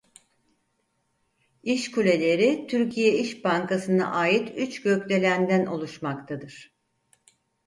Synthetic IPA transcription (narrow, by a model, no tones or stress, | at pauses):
iʃkulʲe̞lʲe̞ɾit̪ʰyɾcʰijɛiʃbaŋkasɯna̰ʔaːjit̪ʰyt͡ʃɟøclʲe̞lʲænd̪ænʔo̞lˠuʃmakt̪ʰad̪ɯɾ̥